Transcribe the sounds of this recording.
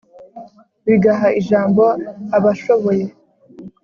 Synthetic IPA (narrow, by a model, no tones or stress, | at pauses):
βiɡaɦaiʒaːmbo̞aβaʃo̞βo̞je̞